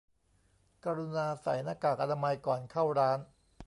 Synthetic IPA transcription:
kaː˧ɾu˧naː˧sa̰˩˦jnaː˧kaː˨˩k̚ʔa˧na˧ma˧jkɔː˨˩nkʰa˥˩wɾaː˦˥n

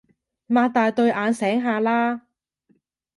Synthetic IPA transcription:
maː˨˧t̪aː˨˧jt̪ɵ˧ɥʔaː˨˧nsɛː˨˥ŋɦaː˨˧laː˥

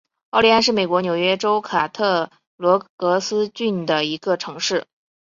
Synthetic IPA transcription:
ɑ˥˩ʊli˧˥a˥˧nʂɻ̩˥˩me˨˩ɪkwɔ˧˥njo˨˩ʊɥɛ˥ʈ͡ʂo˥ʊkʰa˨˩t̪ʰɤ˥˩ | lwɔ˧˥kɤ˧˥sɹ̩˥t͡ɕy˥˩nd̪ə˩i˧˥ɡə˧ʈ͡ʂʰɤ˧˥ŋʂɻ̩˥˩

